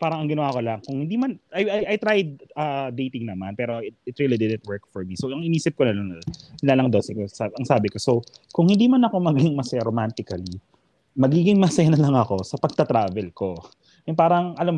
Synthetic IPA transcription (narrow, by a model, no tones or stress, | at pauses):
paːɾɐŋɐŋɡɪnɐwaːkolɐŋkʊŋhɪnd̪iːmanʔɐjɐjʔɐjt̪ɾajd̪̚ɐd̪ejt̪ɪŋnɐmanpɛːɾoɪt̪̚ɪt̪ɾilid̪ɪd̪ɛnt̪̚wɛɹkfɔɹmisowʔɐŋɪniːsɪp̚konɐlonlalɐŋd̪osɪkosaʔɐŋsaːbɪkosowkʊŋhɪnd̪iːmɐnɐko̞mɐɡɪŋmɐsɐjaɾomant̪ɪkɐli | mɐɡiːɡɪŋmɐsɐjanɐlɐŋɐko̞sɐpɐɡ̚t̪ɐt̪ɾaːvɛlko̞ | jʊŋpaːɾɐŋɐlom